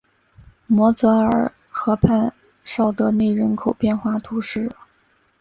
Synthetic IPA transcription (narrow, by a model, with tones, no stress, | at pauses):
mwɔ˧˥t͡sɤ˧˥ə˞˨˩ | xɤ˧˥pʰa˥˧n | ʂɑ˥˩ʊd̪ə˧ne˥˩ɪɻə˧˥nkʰo˨˩ʊpjɛ˥˧nxwa˥˩t̪ʰu˧˥ʂɻ̩˥˩